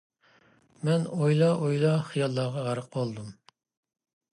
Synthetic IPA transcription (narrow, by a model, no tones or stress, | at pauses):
mɛnojlˠɑʔojlˠɑχijɑlˠːɑːʁɑʁɑɾəq̚bolˠd̪um